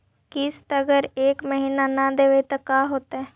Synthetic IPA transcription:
kɪst̪ɐɡəɾeːkməɦiːnanad̪eʋet̪ɐkaɦoːt̪aɦɛː

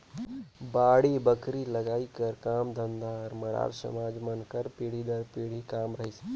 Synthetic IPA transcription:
baːɽibəkɾiləɡaːikəɾkaːmd̪ənd̪aɾməɾa̰ːɾsə̰maːd͡ʒmənkəɾpiɽ̤id̪əɾpiɽ̤ikaːmɾəɦis

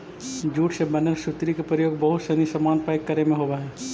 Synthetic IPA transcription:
d͡ʒuːʈsebɐnəɾsut̪ɾikepɾəjoːɡbɐɦʊt̪sɐnisɐmaːnpaɪkːɐɾemẽɦoːʋaɦɛː

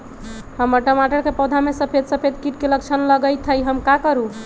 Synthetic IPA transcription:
həmːoʈəmaʈəɽkepɔd̪ʱamesəpʰed̪səpʰed̪kiʈkeləkt͡ʃʰənləɡəjt̪ʰəjɦəmkakəɾu

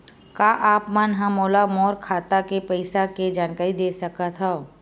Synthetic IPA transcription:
kaːʔaːpmanɦãmoːlamɔːɾkʰaːt̪akepɛɪsaked͡ʒaːnkaːɾid̪eːsɐkat̪ʰɦɛo

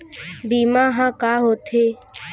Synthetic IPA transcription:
biːmãːɦãːkaːɦoːt̪ʰeː

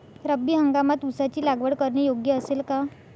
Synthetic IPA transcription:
ɾəbːiːɦəŋɡamat̪usat͡ɕiːlaɡʋəɽkəɾɳejoɡjəəselka

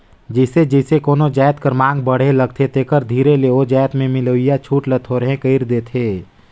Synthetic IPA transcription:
d͡ʒəɪsed͡ʒəɪsekoːnod͡ʒaːjt̪kəɾmãːŋɡbəɽ̤eləɡ̚t̪ʰet̪ekəɾd̪ʱiːɾeleod͡ʒaːt̪mẽmɪloɪjat͡ʃʰuːʈlət̪ʰoɾɦẽkəɪɾd̪eːt̪ʰeː

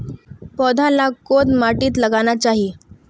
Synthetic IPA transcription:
pɔd̪ʱalakot̪maʈiːt̪ləɡanjat͡ɕaɦi

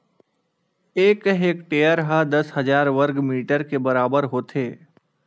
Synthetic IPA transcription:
eːkɦeːkʈeːjəɾɦad̪ɐsɦɐzaːɾʋəɾɡmiːʈəɾkebɐɾaːbəɾɦoːt̪ʰeː

